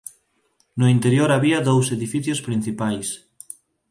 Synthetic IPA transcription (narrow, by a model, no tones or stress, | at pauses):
nʊint̪eɾjoɾaβiɐðowseðifiθjospɾin̟θipajs